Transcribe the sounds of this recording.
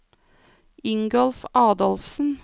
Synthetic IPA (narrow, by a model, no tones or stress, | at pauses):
ʏŋɡɔlfʔɑːd̪ɔlfsn̩